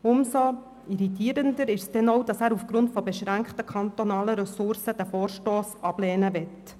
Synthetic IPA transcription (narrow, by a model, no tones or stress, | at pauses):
ʊmso | iɾitiːɾəndəɾɪʃsd̥ɛnɔwd̥ɑsæːɾufɡ̥ɾʊntfɔbɛʃɾæŋkχtəkʰɑnt̪ɔnɑːləɾɛsʊɾsəd̥æfoːɾʃtoːsɑb̥lɛːnəʋɛt